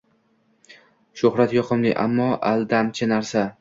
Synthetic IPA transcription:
ʃʊhɾat̪jɒqʰɨmlɪ̰ʔa̰mːɒʔald̪amt͡ʃʰɪnaɾsa

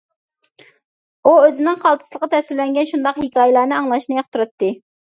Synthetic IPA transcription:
uøzɪnɪŋχɑlˠt̪ʰɨ̥slˠəqʰɑt̪ʰɛsɪllɛŋɡʲɛnʃund̪ɑqhikʲʰɑːjilˠɑːnɨɑŋlˠɑʃnɨjɑq̚t̪ʰuɾɑt̪ːɨ

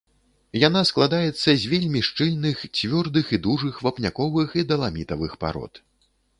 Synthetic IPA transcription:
jan̪asklˠad̪ajɛt̪sːɐzʲvʲelʲmʲiʂt͡ʂɨlʲnɨxt͡sʲvʲɔrd̪ɨxid̪uʐɨxvɐpnʲakɔvɨxid̪ɐlˠamʲit̪ɐvɨxpa̰ɾɔ̰t̪

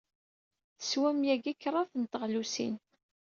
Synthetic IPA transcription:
θəswæmjæɡikːrˤɑθənt̪əʁlusḭn

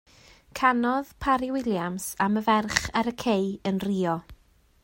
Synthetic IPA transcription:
kʰanɔðpʰaɾɪwɪlˠjamsaməvɛrχaɾəkʰejənriːɔ

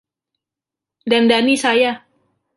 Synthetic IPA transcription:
dandanisaja

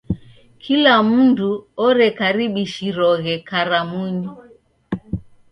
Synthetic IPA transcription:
kʰilam̩nduɔɾɛkaɾiɓiʃiɾɔɣɛkaɾamuɲi

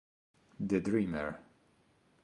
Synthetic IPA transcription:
d̪ɨdɹĩməɹ

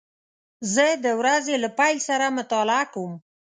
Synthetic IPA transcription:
zəd̪əwɾazelapajlsaɾamʊt̪ɑlɪakawum

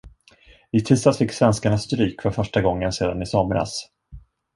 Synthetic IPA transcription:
ɪt̪ʰɪst̪asfɪkːsvɛnskaɳasːt̪ɾyːkfœɾfœʂʈaɡɔŋːənseːd̪anɪsɔmɾa̰s

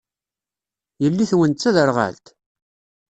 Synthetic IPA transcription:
jəlːiθwənt͡sːæðəɾʁa̰lt̪

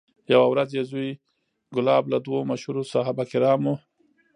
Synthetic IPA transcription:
jawawɾazjezuj | ɡʊlɑːblad̪womaʃhuɾosaɦabakɪɾɑmu

